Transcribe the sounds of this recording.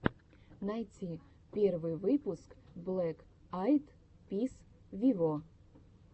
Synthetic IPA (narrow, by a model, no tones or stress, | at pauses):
nɐjtʲi | pʲervɨjvɨpʊskblˠɛk | ajt̪ | pʲis | vʲivo